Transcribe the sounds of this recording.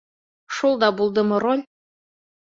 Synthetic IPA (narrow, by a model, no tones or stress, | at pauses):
ʃolˠd̪ɑbulˠd̪ɤ̆mɤ̆ɾolʲ